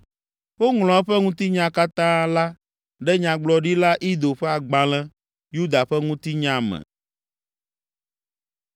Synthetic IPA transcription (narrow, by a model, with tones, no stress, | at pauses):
wo˦ŋl̃ɔ̃˨ɛ˦ɸɛ˦ŋũ˦t̪i˦ɲã˦ka˦t̪ã˦la˦ | ɖɛ˦ɲã˨ɡ͡blɔ˨ɖi˦la˦ʔi˦d̪o˨ɸɛ˦a˨ɡ͡bã˨lɛ̃˦ | ju˦d̪a˨ɸɛ˦ŋũ˦t̪i˦ɲã˦mɛ̰˨